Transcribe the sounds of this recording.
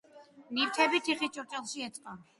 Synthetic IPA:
niɾt̪ʰɛbit̪ʰiχit͡ʃʼɔɾt͡ʃʼɛlˠʃiɛt̪sʼqʼa

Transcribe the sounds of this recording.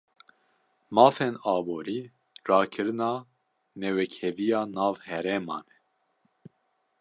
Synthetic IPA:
mɑːfenɑːboːɾiː | rɑːkʰɨɾɨnɑː | nɛwɛkʰɛvijɑːnɑːvhɛɾɛːmɑ̰ːnɛ

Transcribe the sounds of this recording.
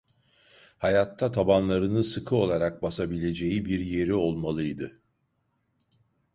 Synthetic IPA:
hajat̪ʰːat̪ʰabanlˠaɾɯnɯsɯkʰɯo̞lˠaɾak̚basabilʲe̞d͡ʒe̞jibiɾje̞ɾio̞lˠmalˠɯjd̪ɯ

